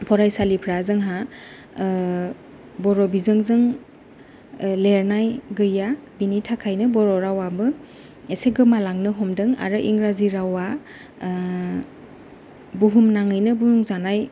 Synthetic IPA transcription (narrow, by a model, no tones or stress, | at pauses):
pʰɔɾajsalipʰɾazɯŋɦa | bɔɾɔbizɯŋzɯŋ | leɾnajɡɯjabinitʰakʰajnɯbɔɾɔɾawabɯ | eseɡɯmalaŋnɯɦɔmdɯŋa̰ɾɯʔiŋɾaziɾawa | buɦumnaŋɯjnɯbuuŋzanaj